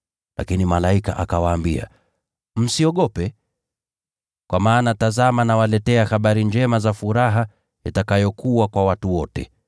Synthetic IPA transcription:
la̰kinimalaika̰ʔakawaːmbia̰ | m̩siɔɠɔpɛ | kwʔamaːnatazamanawalɛtɛahaɓaɾiɲd͡ʒɛmazafuɾaɦa | itakajɔkʰuwakwawatuwɔtɛ̰

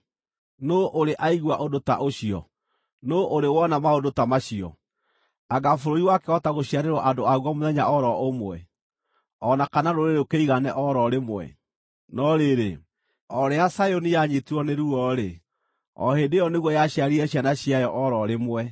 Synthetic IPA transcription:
noʔoɾeʔaiɣwaʔodota̰ʔoɕiɔ̰ | noʔoɾewɔnamaodotamaɕiɔ̰ | aɣafoɾoiwakɛɔtaɣoɕiaɾeɾwɔʔandoaɣwɔmoðɛɲaʔɔɾɔomwɛ̰ | ɔnakanaɾoɾeɾokeiɣanɛʔɔɾɔɾemwɛ̰ | nɔɾeɾe | ɔɾɛasajonijaɲetuɔneɾuɔɾe | ɔ̰hedejɔneɣwɔjaɕiaɾiɛɕjanaɕiajɔʔɔɾɔɾemwɛ

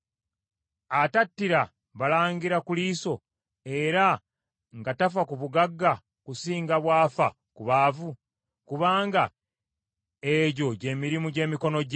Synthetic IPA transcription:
atatːiɾa | βalaːɲɡiɾakuliːso̞ | e̞ɾa | ŋɡatafakuβuɡaɡːa | kusiːŋɡaβwaːfa̰ | kuβaːvu | kuβaːŋɡa | eɟo̞ɟe̞ːmiɾimuɟe̞ːmiko̞no̞ɟ

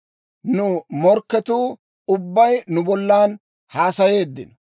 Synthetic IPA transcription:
nʊmɔɾkːɛt̪uː | ʊbːɐjnʊbɔlːaːn | haːsɐje̞ːd̪ːɪ̰nɔ

